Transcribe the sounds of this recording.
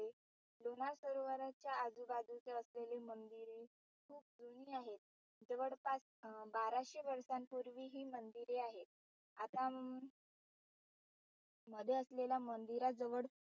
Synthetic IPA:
e | lonaɾsəɾoʋəɾat͡ɕjaːd͡zubad͡zut͡seəslelemənd̪iɾiː | kʰuːp̚d͡zuñiːaɦet̪̚ | d͡zəʋəɽpas | baɾaɕiʋəɾsampuɾʋiːɦiːmənd̪iɾeaɦet̪̚ | at̪a | məd̪ʱjeəsleljamənd̪iɾad͡zəʋəɽ

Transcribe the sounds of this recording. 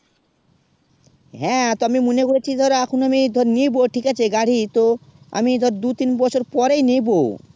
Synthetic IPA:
ɦɛ̃t̪oamimonekoɾet͡ɕʰid̪ʱɔɾaakʰonamid̪ʱɔɾnijboʈʰikat͡ɕʰeɡaɽ̤it̪o | a̰mid̪ʱɔɾad̪ut̪inbɔt͡ɕʰoɾpɔɾejnejbo

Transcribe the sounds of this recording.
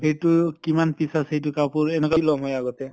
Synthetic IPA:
hejtʊkimanpisasejtʊkapuɹɛnɛkalɔŋɦɔjaɡɔtɛ

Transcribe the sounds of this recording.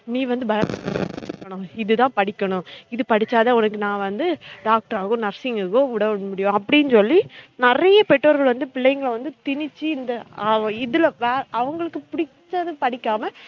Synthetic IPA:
nĩːʋɐnd̪ɯbɐɾɐkːɐɳʊ̃ɪðɯt̪ãːpɐɽɪkːɐɳʊ̃ɪðɯpɐɽɪt͡ʃːaːðɐɔnɐkːɯnãːʋɐnd̪ɯɖaːk̚ʈɐɾaːɣõːnɐɾsɪŋɡɐɣõʊɽɐmʊɽɪjõɐpːɐɽɪnɯsɔlːinɪɾɐjɐpɛʈːoːɾɣɐɭʋɐnd̪ɯpɪɭːɐjŋɡɐɭʋɐnd̪ɯt̪ɪnɪt͡ʃːiɪnd̪ɐɐɪðɯlʋeːɾʔɐʋɐŋɡɐɭɯkːɯpʊɽɪt̪ːɐðɯpɐɽɪkːaːmɐ

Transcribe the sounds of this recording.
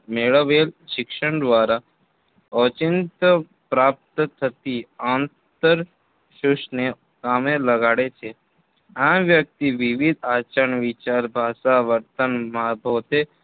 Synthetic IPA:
meːɭəʋeːlʃɪkʃəɳ̃d̪ʋaːɾa | ɔt͡ʃɪnt̪ə | pɾaːp̚t̪ət̪ʰət̪iãːn | t̪əɾ | ʃʊʃne | kaːmẽləɡaːɽet͡ʃʰe | ãʋjək̚t̪iʋɪʋid̪ʱaːt͡ʃəɳʋɪt͡ʃaːɾbʱaːʃaʋəɾt̪ənmãbʱoːt̪e

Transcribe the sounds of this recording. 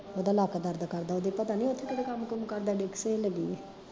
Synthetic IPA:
oːd̪aːlaːkad̪əɾd̪aːkəɾd̪aːod̪ipət̪aːnĩːʊt̪ʰːekɪɽekəmkəmkəɾd̪aːɖeːkʰseləɡiːe

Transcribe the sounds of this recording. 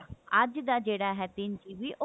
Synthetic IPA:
ɐd͡ʒd̪aːd͡ʒeːɽaːɦɛːt̪ɪnt͡ʃiːʋiːʔo

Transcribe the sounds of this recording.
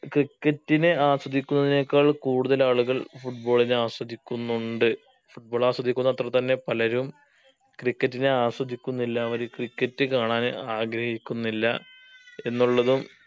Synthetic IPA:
krikːɐtːinɨaːswɐd̪ʱikʲːunːɐðine̞ːkːaːɭkuːɽuðɐlaːɭuɣɐɭfuʈ̚bo̞ːɭinɨaːswɐd̪ʱikʲːunːuɳɖɨ | fuʈ̚bo̞ːɭaːswɐd̪ikʲːunːɐɐt̪rɐt̪ɐnːe̞pɐlɐɾum | krikːɐtːineaːswɐd̪ʱikʲːunːilːɐːʋɐɾukrikːɐtːɨkaːɳaːnɨaːɡɾɐhikʲːunːilːɐ̰e̞nːuɭːɐðum

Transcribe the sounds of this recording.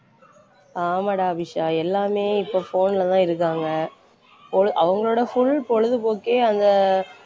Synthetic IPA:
aːmɐɽaɐbɪʂaːɛlːaːmeːɪpːoːfoːnɪlɐt̪ãːɪɾɯk̬ːaːŋɡɐ | pɔɻɯʔɐʋɐŋɡɐɭoːɽɐfʊɭpɔɻɯðɯpoːkeːɐnd̪ɐ

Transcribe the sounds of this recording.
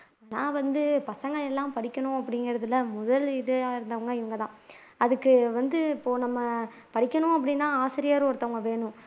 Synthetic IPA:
anaːʋɐnd̪ɯpɐsɐŋɡɐɭɛlːãːmpɐɽɪkʲːɐɳʊ̃ɐpːɐɽɪŋɡɪɾɐðɯlːɐmʊðɐlɪðɯaːɪɾɯnd̪ɐʋɐŋɡɐɪʋɐŋɡɐt̪ãː | ɐðɯkːɯʋɐnd̪ɯɪpːoːnɐmːɐ | pɐɽɪkʲːɐɳʊ̃ɐp̬ːɐɽɪnːãːaːsɪɾɪjaːɾɯɔɾɯt̪ːɐʋɐŋɡɐʋeːɳʊ̃

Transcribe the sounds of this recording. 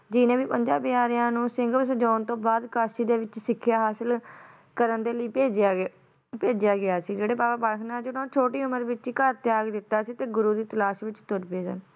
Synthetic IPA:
d͡ʒɪːnẽːʋiːpəɲd͡ʒaːbaːɾɪjãːnũːsɪŋɡsəd͡ʒɔːnt̪õːbaːd̪kaːʃiːd̪eːʋɪt͡ʃsɪkʰːjaːɦaːsəl | kəɾənd̪eːləiːpeːd͡ʒ | peːd͡ʒjaːɡɪaːsiːd͡ʒeːɽeːpaːaːpaːɾkʰnãːd͡ʒɪɽõːt͡ʃʰoːʈiːʊməɾʋɪt͡ʃikəɾt̪ɪjaːɡd̪ɪt̪ːaːsiːt̪eːɡʊɾuːd̪iːt̪əlaːʃʋɪt͡ʃt̪ʊɾpeːsə̰n

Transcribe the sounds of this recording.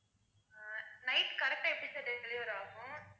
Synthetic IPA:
nɐɪʈkɐɾɛk̚ʈaːɛpːɽit͡ʃːaɖɛlɪʋɐɾaːɣʊ̃

